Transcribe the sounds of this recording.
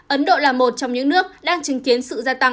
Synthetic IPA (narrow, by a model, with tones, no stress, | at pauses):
ʔə˨˦nɗo̰˧˨laː˨˩mo˨˩t̚t͡ɕɔ˧wŋ͡mɲɨ̰˧˥ŋnɨ˦˥ək̚ɗaː˧ŋt͡ɕï˨˦ŋki˨˦ənsɨ̰˧˨zaː˧t̪a˧ŋ